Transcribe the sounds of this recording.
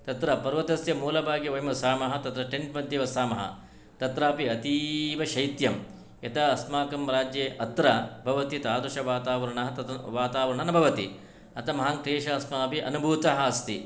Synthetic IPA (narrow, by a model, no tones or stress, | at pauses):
t̪ɐt̪ɾɐpɐɾʋɐt̪ɐsjɐmuːlɐbʱaːɡjɐʋɐjmɐsaːmɐɦɐt̪ɐt̪ɾɐʈeɳʈmɐd̪jeʋɐsaːmɐɦɐ̰ | t̪ɐt̪ɾɐːpiɐt̪iːʋɐʃɐjt̪jɐm | et̪ɐːsmaːkɐmɾaːd͡ʒjeːʔɐt̪ɾɐbʱɐʋɐt̪it̪aːd̪ɐʃɐʋaːt̪aːʋɐɾɐɳɐɦɐt̪ɐʋaːt̪aːʋɐɾɐɳɐnɐbʱɐʋɐt̪ḭ | ɐt̪ɐmɐɦaŋkɾeːʃɐːsmaːɐpiʔɐnubʱuːt̪ɐɦɐːst̪i